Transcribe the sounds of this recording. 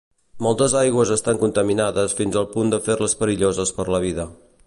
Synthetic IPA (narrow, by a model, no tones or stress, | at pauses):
mɔlˠt̪əzajɣwəzəst̪aŋkunt̪əminaðəsfinzəlˠpund̪əfeɾləspəɾiʎozəspəɾləβ̞iðə